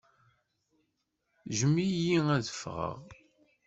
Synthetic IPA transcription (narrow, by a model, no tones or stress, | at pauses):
ʒəmijiæðəfʁə̰ʁ